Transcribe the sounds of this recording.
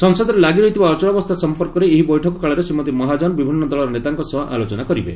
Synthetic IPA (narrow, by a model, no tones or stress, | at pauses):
sɔŋsɔd̪ɔɾelaɡiɾɔɦit̪ʰibaɔt͡ʃɔɽ̃ɔbɔst̪ʰasɔmpɔɾkɔɾeːɦibɔjʈʰɔkɔkaɭɔɾesemːɔnt̪imɔɦad͡ʒɔnɔbibʱinːɔd̪ɔɭɔɾɔnet̪aŋkɔsɔɦɔʔa̰lot͡ʃɔnakɔɾibḛ